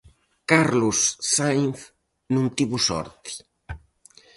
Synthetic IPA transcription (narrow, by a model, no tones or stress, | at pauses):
kaɾlʊsːajŋθ | nũnt̪iβʊsɔ̰ɾt̪i̥